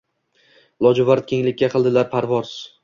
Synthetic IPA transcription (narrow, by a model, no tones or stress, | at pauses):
lˠɒd͡ʒʊvaɾt̪̚kʲʰe̞ŋlɪkʲːaqʰɨlˠd̪ɪlaɾpʰaɾvɒɾs